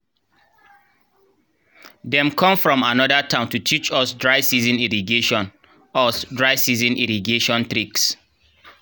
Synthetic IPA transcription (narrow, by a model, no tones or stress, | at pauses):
dɛ̃mkʰɔ̃mfɹɔ̃manɔdatʰãʊ̃ntutʰit͡ʃɔsdɹaɪsizĩniɹiɡeʃɔ̃n | ɔsdɹaɪsizĩniɾiɡeʃɔ̃nt̪ɾiks